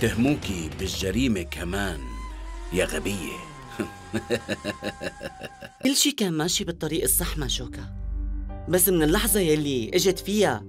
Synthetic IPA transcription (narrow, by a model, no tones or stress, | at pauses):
t̪ɪhmuːkibɪlʒːaɾiːmekʰamaːnjaɣabɪjːḛ | ɪlːʃiːkaːnmaʃiːbɨt̪ˤːɑɾiːʔɑsˤːɑħmaʃoːka | basːmɪnɪlːɑħzˤɑjalːiʔɪʒɪd̪fɪja